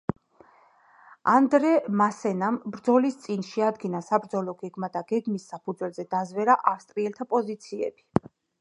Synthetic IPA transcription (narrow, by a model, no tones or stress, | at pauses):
and̪ɾɛmasɛnambɾd̪zɔlist̪sʼinʃɛad̪ɡinasabɾd̪zɔlɔɡɛɡmad̪aɡ̥ɛɡmisːapʰud̪zwɛlzɛd̪azvɛɾaʔafst̪ʼɾiɛlt̪ʰapʼɔzit̪sʰiɛ̰bi